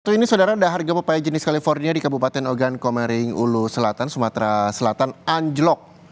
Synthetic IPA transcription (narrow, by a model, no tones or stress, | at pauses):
t̪uinisawdaɾadaɦarɡapəpajad͡ʒənɪskalifɔrniadikabupat̪ɛnoɡankɔmɛɾɪŋṵlusəlat̪ansumat̪ɾasəlat̪anaɲd͡ʒlɔk̚